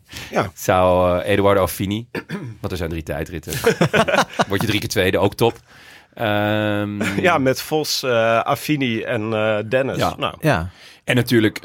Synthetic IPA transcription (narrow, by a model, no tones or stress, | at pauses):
jasaweːdəwaɹdafiniʋɑntɛɹz̥ɛjndritɛ̰jtrɪtə | ʋɔɹtdjədrikətʋejdəowk̚tɔp | ə | jamɛtfɔsa̰finiɛndɛnəsna̰wjaɛnːatyːɹlək